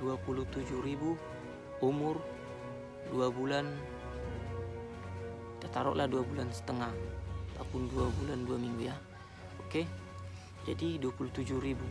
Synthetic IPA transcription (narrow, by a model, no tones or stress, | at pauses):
duapulut̪ud͡ʒʊhɾibu | umʊr | duabulan | t̪at̪aɾɔ̰ʔlahduabulansə̥t̪əŋaht̪apʊnduabulanduamiŋɡuja | oke | d͡ʒadiduapulut̪ud͡ʒʊhɾibu